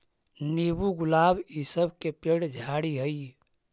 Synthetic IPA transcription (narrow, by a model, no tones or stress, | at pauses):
nebuɡʊlaːbisəbkepeɽd͡ʒʱaɽiɦəi